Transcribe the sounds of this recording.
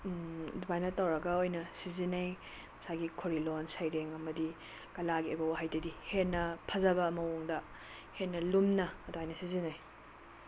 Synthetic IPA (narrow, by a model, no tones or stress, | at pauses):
dubajnɐtɐwɾɐɡɐojnɐsizinɐj | mɐsaɡikʰoɾilonsajɾeŋɐmɐdi | kɐlaɡiojbɐwaɦajdɐdihenːɐpʰɐzɐbɐːmɐwoŋdɐ | henːɐlumnɐːduajnɐsizinaj